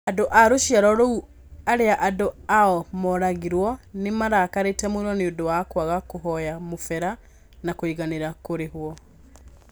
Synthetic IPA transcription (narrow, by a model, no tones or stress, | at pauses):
adoʔaɾoʃiaɾɔɾou | aɾeaʔadoaɔmɔɾaɣeɾwɔnemaɾaːkaɾetɛmonɔneodowakwaɣakoɦɔjamofɛɾa | nakoiɣaneɾakoɾehwɔ